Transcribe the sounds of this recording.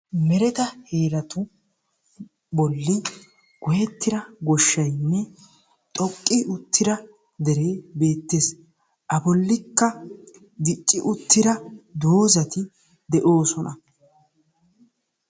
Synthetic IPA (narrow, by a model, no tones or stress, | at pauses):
mɛɾɛt̪ɐheːɾɐt̪ʊ | bɔlːɪ | ɡ̥ɔjɛt̪ːɪɾɐɡɔʃːɐjnːɛ | t̪ʼɔkʼːɪʊt̪ːɪɾɐ | d̪ɛɾe̞ːbe̞ːt̪ːeːs | ʔɐbɔlːɪkːɐ | d̪ɪt͡ʃʼːɪʔʊt̪ːɪɾɐd̪oːzɐt̪ɪ | d̪ɛʔo̞ːsɔnɐ